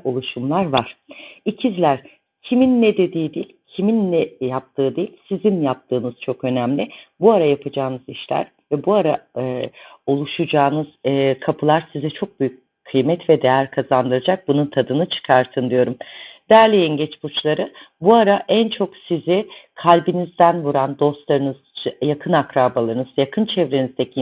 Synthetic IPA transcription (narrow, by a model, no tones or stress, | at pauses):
o̞lˠuʃumlˠaɾvaɾ̥icʰizlʲæɾ̥ | cʰiminːɛd̪e̞d̪iːd̪ilʲcʰiminːɛjap̚t̪ʰɯːd̪ejilʲsizinjap̚t̪ʰɯːnɯz̥t͡ʃʰo̞kø̞næmlʲɪbuaɾajapʰad͡ʒaːnɯziʃlʲæ̰ɾ | vɛbuaɾaɯo̞lˠuʃud͡ʒaːnɯz̥ɯkʰapʰɯlˠaɾsizɛt͡ʃʰo̞k̚byjyc̚ | kʰːɯjmɛt̪vɛd̪e̞jæɾkʰazand̪ɯɾad͡ʒak̚bununt̪ʰad̪ɯnɯt͡ʃʰɯ̥kʰaɾt̪ʰɯnd̪ijo̞ɾumd̪̥æɾlʲijinɟɛt͡ʃbut͡ʃlˠaɾɯ | buaɾaʔænt͡ʃʰo̞ksizɪkʰalʲbinizd̪ænvuɾand̪o̞st̪lˠaɾɯnɯzjakʰɯnakɾaːbalˠaɾɯnɯz̥jakʰɯnt͡ʃʰɛvɾenizd̪ɛcʰi